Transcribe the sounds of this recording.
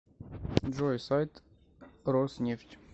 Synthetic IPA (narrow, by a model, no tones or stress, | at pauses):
ʐɔjsajt̪ | rɔsnʲeftʲ